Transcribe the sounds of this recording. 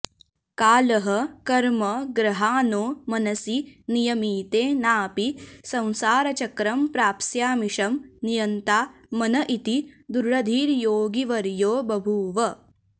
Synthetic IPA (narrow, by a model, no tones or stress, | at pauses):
kaːlɐɦɐ̆kɐɾmɐɡɾɐɦaːnoːmɐnɐsinijɐmiːt̪eːnaːpisɐ̃w̃saːɾɐt͡ʃɐkɾɐmpɾaːpsjaːmiʂɐmnijɐnt̪aːmɐnɐʔit̪id̪uɾɭɐd̪ʱiːɾjoːɡiʋɐɾjoːbɐbʱuːʋɐ